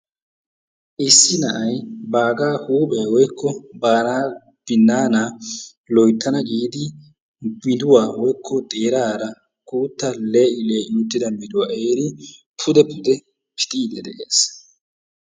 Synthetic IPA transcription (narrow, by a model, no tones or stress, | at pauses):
ʔɪsːɪnɐʔɐjbaːɡaːhuːpeːwɔjkʰːɔbaːnaː | b̥ɪnːaːna | lɔjt̪ːɐnɐɡʼiːd̪ɪ | mɪd̪ʊwaːwɔjkʰːɔd̪eːɾaːɾɐ | kuːt̪ːɐleːɪleːʔɪnʊt̪ːɪd̪ɐmɪd̪ʊwaʔe̞ːɾɪ | pʰʊd̪ɛpʰʊd̪ɛ | pʰɪ̥t̪ʼiːd̪ɛd̪ɛʔeːs